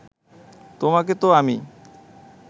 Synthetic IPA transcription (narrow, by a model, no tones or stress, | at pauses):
t̪omak̬et̪oami